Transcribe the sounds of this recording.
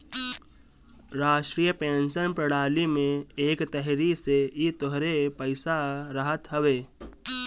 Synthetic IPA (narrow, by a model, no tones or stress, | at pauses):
ɾaːʃʈɾijəpẽːnʃənpɾəɽaːlimẽeːkt̪ɛɦɾiseit̪oɦɾepəɪsaɾəɦət̪ɦəʋeː